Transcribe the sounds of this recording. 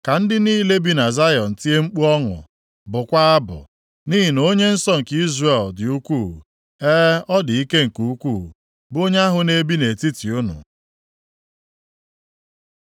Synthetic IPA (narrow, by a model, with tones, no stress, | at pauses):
ka˨n̩˦dɪ˦niː˦le˦bi˨na˨za˦jɔ˨n̩˨ti˦e˦ŋ͡m̩˦k͡pu˦ɔ˦ŋʊ̰˨ | bʊ˨kʷa˦a˦bʊ̰˨ | ni˦ɦi˨no˦ɲe˦n̩˦sɔ˦ŋ̩˨ki˦zre˨ldɪ˨u˦kʷu˦˨ | ɛː˦ɔ˦dɪ˨i˦ke˦ŋ̩˨ku˦kʷu˦˨ | bo˦ɲe˦a˦ɦʊ˨ne˨bi˦ne˨ti˦ti˨u˦nʊ̰˨